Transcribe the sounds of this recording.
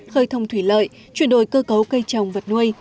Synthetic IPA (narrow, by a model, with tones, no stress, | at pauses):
xəː˧jt̪ʰə˧wŋ͡mt̪ʰwi˧˩lə̰ː˧˨j | t͡ɕwi˧˨ənɗo˨˩jkəː˧kə˨˦wkə˧jt͡ɕa˨˩wŋ͡mvə˨˩t̚nu˧əj